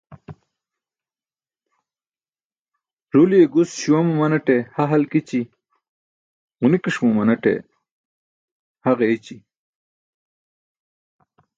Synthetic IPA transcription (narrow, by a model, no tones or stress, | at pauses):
ʐulijeɡusɕiwɐmumɐnɐʈehaɦɐlkit͡ɕi | unikiʂmumɐnɐʈḛ | haʁeit͡ɕi